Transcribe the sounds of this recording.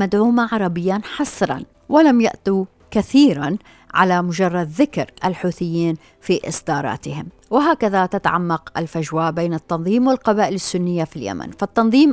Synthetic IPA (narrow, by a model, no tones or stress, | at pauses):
mad̪ʕuːmaʕɑɾˤɑbɪjːanħɑsˤɾˤɑ̰n | wɪlamja̰ʔt̪u | kaθiːɾan | ʕa̰lamʊd͡ʒɑrˤːɑd̪ðɪkɾʔalħuːθɪjːiːn | fiʔɪsˤd̪ɑːɾˤɑ̰ːt̪ɪhɪm | wɪɦaːkaðat̪at̪aʕamːɑqʔɪ̰lfaʒwaːʔbeːnɪt̪ːɑnðˤiːmwɪlqɑbaːʔɪlɪsːʊnːɪjːafilja̰ma̰nfat̪ːɑnðˤiːm